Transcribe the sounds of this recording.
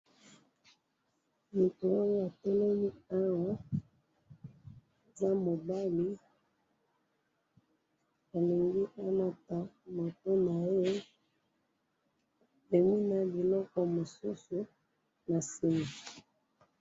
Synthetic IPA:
mi˨to˨wa˦ŋɡa˦˨a˨to˦lo˦mi˦a˦wa˦˨ | za˦mo˨ba˦li˦ | a˨li˨ŋɡi˦ʔa˦la˦ta˨mo˨to˦na˨e˦ | be˨mi˦na˦bi˨lɔ˦kɔ˦mo˨su˦su˦ | na˨si˨ma˨

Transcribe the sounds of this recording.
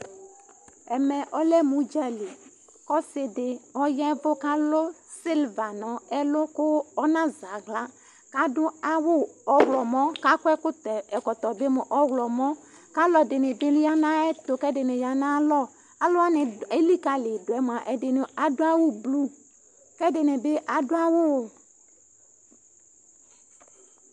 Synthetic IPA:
ɛ˨mɛ˨ʔɔ˦lɛ˦mũ˨d͡ʒa˨le˨ | kɔ˦sɪ˨dɪ˨ɔ˦jɛ˦vʊ˦ka˦lʊ˦ | si˦lva˨nɔ˨ɛ˦lʊ˦kʊ˦ɔ˦nã˦za˨ɡla˦ | ka˦dʊ˦a˦wʊ˦ɔ˦wlɔ˨mɔ˦ka˦kwɛ˦kʊ˦t̪ɛ˨ɛ˨kɔ˨t̪ɔ˨bɪ˦mʊ˨ʔɔ˦wlɔ˨mɔ˦ | ka˦lɔ˨dɪ˨nɪ˨bɪ˦la˦na˦ɛ˦t̪ʊ˨kɛ˦dɪ˨nɪ˨ja˨nã˦lɔ˦˨ | a˦lʊ˦a˦nɪ˨e˦li˦ka˦lɪ˨dʊ˨ɛ˨˦m˨a˨ʔɛ˨dɪ˨nɪ˨a˨dʊ˦a˦wʊ˦blu˦ | kɛ˦dɪ˨nɪ˨bɪ˦ʔa˨dʊ˦a˦wʊ˦˨

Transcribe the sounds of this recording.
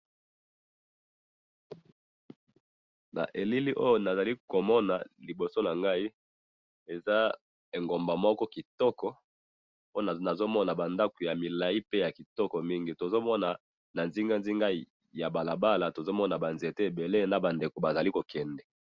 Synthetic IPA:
na̰˨ʔe˨li˦li˦ʔo˦jo˦na˨za˨li˦ko˨mɔ˦na˨li˨bo˨so˦na˨ŋɡa˦i˦ | e˨za˦ | e˨ŋɡo˨mba˨mɔ˦kɔ˦ki˨tɔ˦kɔ˦ | o˦o˦n˨na˨zo˦mɔ˦na˨ba˨nda˦ko˨ja˨mi˨la˨i˦pe˦ja˨ki˨tɔ˦kɔ˨mi˦ŋɡi˨to˨zo˦mɔ˦na˨ | na˨nzi˦ŋɡa˦nzi˦ŋɡa˦˨ | ja˨ba˨la˨ba˦la˨to˨zo˦mɔ˦na˨ba˨nze˨te˦e˨be˨le˦na˨ba˨nde˨ko˨ba˨za˨li˦ko˨kʰɛ˨ndɛ˨

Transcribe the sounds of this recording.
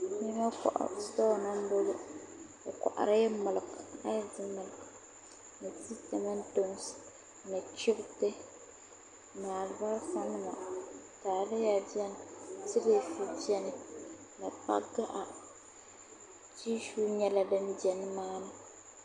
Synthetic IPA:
mi˦ma˦ka̰˨ʔa̰˨stɔː˦˨na˦m˦bo˦lo˦ | ɨ˨kʷa̰˨ʔa̰˨ɾɪ˦mʊ˨lka̰˦zɨ˦mʊ˨lk | nɨ˨si˦ta˨ma˦n˦do˦ŋs | nɨ˨t͡ʃɪ˦btɪ˦ | na˨lba˦ɾfa˦nɨ˦ma̰˨ | taː˨lɪ˦ja˨di˦ɛ˦n˨sɪ˦ɾe˦˨fi˦ti˦ɛ˦nɪ˨ | nɨ˨pa̰˦ɡa˦ʔa˨ | t͡ʃi˦ʃuː˦ɲɛ˦la˦dɨ˦n˦dɛ˨n˦maː˦nɨ˦

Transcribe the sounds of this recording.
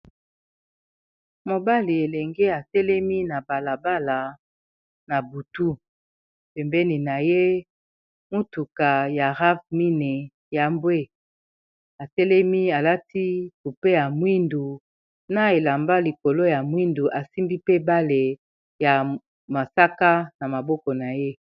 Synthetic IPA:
mo˨ba˦li˨e˨lɛ˨ŋɡe˦a˨sɛ˦lɛ˦mi˦na˨ba˨la˨ba˦la˨ | na˨bu˨tu˦ | pɛ˨mbɛ˦ni˨na˨je˦ | mu˦tu˨ka˨ja˨ʁa˦vmi˦ne˨ | ja˦mbwe˦ | a˨sɛ˦lɛ˦mi˦a˨la˦ti˦ku˨pe˦ja˨mwi˦ndu˨ | na˦e˨la˨mba˦li˨ko˨lo˦ja˨mwi˦ndu˨ʔa˨si˦mbi˦pe˦ba˦le˨ | ja˨ | ma˨sa˦ka˦na˨ma˨bɔ˦kɔ˨na˨je˦

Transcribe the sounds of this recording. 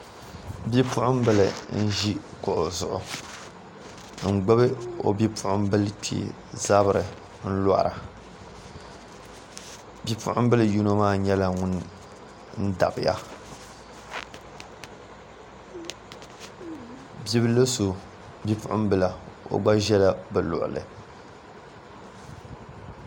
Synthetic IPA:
bi˦pʊ˦ʔʊ˦m˦bɨ˦lɨ˨n̩˦ʒi˦kʊ˨ʔʊ˨zʊ˨ʔʊ˨ | ŋ̩˨ɡ͡bɨ˦bɨ˦o̰˨bi˦pʊ˦˨ʔʊ˦m˦bɨ˦lpḭ˨ | za˦bɨ˨ɾɨ˨ | n̩˦la̰˦ʔɾa˨ | bi˦pʊ̰˦ʔʊ̰˦m˦bɨ˦lɨ˨ju˦no˦maː˦˨ɲɛ˦la˦ŋʊ˦n˦ | n̩˦da̰˨bɨ˨ja̰˨ | bi˦bɨ˦lɨ˦so˨ | bi˦pʊ˦ʔʊ˦mbɨ˦la˨o̰˦ɡ͡ba˦ʒɛ˦la˦bɨ˨lʊ̰˨ʔʊ̰˨lɨ̰˨

